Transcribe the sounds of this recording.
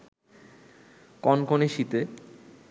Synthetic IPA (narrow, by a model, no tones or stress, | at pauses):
kɔnkoneʃit̪e